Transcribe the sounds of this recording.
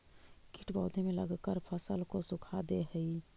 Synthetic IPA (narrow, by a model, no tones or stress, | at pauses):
kiʈʰbɔːd̪ʱemẽləɡkəɾpʰəsəlkosʊkʰad̪eɦəi